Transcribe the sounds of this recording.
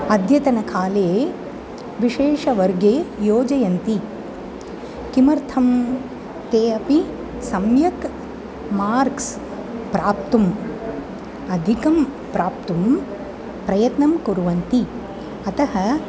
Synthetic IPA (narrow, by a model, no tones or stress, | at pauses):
ɐd̪ʱjɐt̪ɐnɐkʰaːle | ʋiʃeːʂɐʋɐɾɡeːjoːd͡ʒɐjɐnt̪i | kimɐɾt̪ʰɐm | t̪eːɐpi | sɐmjɐk | maːɾks | pɾaːp̚t̪um | ɐd̪ʱikɐm | pɾaːpt̪um | pɾɐjɐt̪nɐmkuɾuʋɐnt̪i | ɐt̪ɐɦɐ